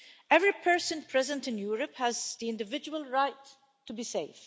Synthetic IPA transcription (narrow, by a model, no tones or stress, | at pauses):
ɛvɹipʰɜ˞sə̃npʰɹ̥ɛzə̃ntɨ̃njuɹəphæzðiɪ̃ndɨvɪd͡ʒuwəlˠɹaɪtʰː | ubiseɪf